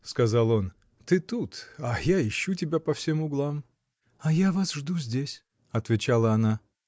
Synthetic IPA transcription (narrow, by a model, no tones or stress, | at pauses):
skɐzalˠo̞n | t̪ɨt̪ut̪ajaɪɕːutʲɪbʲapɐfsʲemʊɡlˠam | ɐjavasʐd̪uzʲdʲesʲ | ɐt̪vʲɪt͡ɕalˠəɐna